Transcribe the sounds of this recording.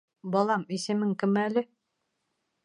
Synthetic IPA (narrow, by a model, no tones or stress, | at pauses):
bɒlˠɑmisɘ̆mɘŋkɘ̆mælɘ